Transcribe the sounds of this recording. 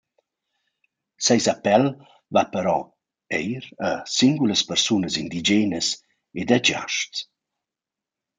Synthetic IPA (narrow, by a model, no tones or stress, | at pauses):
sɛjzapɛl | vapəɾɔ | ɛjɾəsiŋɡuləspɛrsunəzind̪id͡ʒenəs | ed̪əd͡ʒa̰ʃt͡s